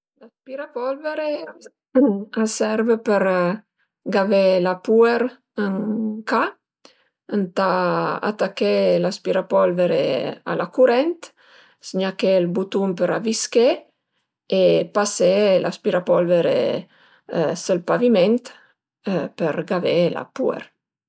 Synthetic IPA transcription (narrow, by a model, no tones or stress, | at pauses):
laspiɾapɔlveɾe | asɛɾvəpəɾ | ɡavelapueɾ | əŋka | ənt̪aa̰t̪akːelaspiɾapɔlveɾea̰lakuɾɛnt̪ | siɲakelbut̪umpəɾaviske | epaselaspiɾapɔlveɾḛ | səlpaviment̪ | pəɾɡavela̰puḛɾ